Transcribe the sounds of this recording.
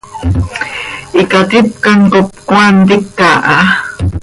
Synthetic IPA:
ʔikat̪ip̚kaŋkop̚kwant̪ikːaʔa

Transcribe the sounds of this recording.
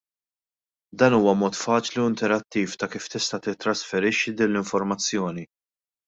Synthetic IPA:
d̪ɐːnuːwɐmɔːt̪fɐːt͡ʃliuɪnt̪ɛɾɐt̪ːiːft̪ɐkiːft̪ɪst̪ɐt̪ɪt̪ːɾɐsfɛɾɪʃːid̪iːnlɪɱfɔɾmɐt͡sːjɔːni

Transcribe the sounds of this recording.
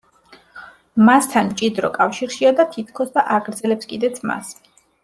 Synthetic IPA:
mast̪ʰanmt͡ʃʼid̪ɾɔkʼafʃiɾʃiad̪at̪ʰit̪ʰkʰɔsd̪aʔaɡɾd̪zɛlɛpskʼid̪ɛt̪sʰma̰s

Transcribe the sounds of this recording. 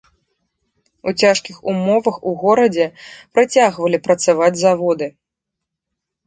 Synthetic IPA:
ut͡sʲaʂkʲixumɔvɐxuɣɔɾɐd͡zʲɛpɾat͡sʲaɣvɐlʲipɾɐt̪savad͡zʲzavɔd̪ɨ

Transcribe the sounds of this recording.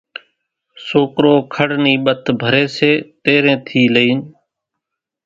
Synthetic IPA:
soːkɾoːkʰəɽniːɓət̪ʰbʱəɾeːseːt̪eːɾẽːt̪ʰiːləiːn

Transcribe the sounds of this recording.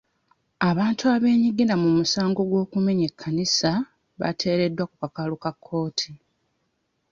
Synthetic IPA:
aβaːntuaβe̞ːɲiɡiɾamumusaːŋɡo̞ɡwo̞ːkume̞ɲe̞kʰːanisa | βa̰tʰe̞ːɾe̞dːwakukakalukakʰːo̞ːtʰi

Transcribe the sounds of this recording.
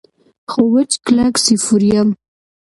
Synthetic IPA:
xowət͡ʃklaksifuɾjam

